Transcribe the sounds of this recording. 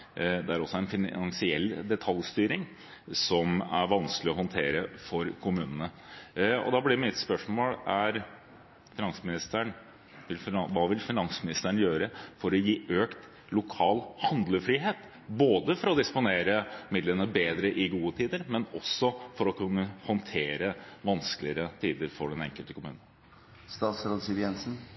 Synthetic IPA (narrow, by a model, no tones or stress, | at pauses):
d̪ɛæɾɔsːɔɛnfɪɑŋsɪɛ̰lːd̪ɛt̪ʰɑljst̪yːɾɪŋ | sɔmæ̰ɾʋɑnsklɪɔɦɔnt̪ʰeːɾəfɔɾkʰʊmʉːnənə | ɔ̰d̪ɑblɪɾmɪt̪spœʂmoːlæɾ | fɪnɑnsəmɪnɪst̪əɳ | ʋɪlfʋɑːʋɪlfɪnɑnsmɪnɪst̪əɳjøːɾəfɔɾɔjiːøːkt̪ | lʊkʰɑːlhɑnd̪ləfɾiːɦeːt̪ | boːd̪əfɔɾɔd̪ɪspʊneːɾəmɪd̪lənəbeːd̪ɾəʔɪɡuːət̪ʰiːd̪əɾmɛnɔsɔfɔɾɔkʰʉnːəhɔnt̪ʰeːɾəʋɑnskəlɪəɾət̪ʰiːd̪əɾfɔɖɛnɛ̰ŋkəlt̪ə̥kʰʊmʉ̰ːnən | st̪ɑːt̪sɾoːd̪siɾjɛnsn̩